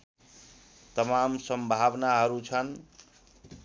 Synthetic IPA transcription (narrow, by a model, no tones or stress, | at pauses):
t̪ʌmamsʌmbʱabnaɦʌɾut͡sʰʌn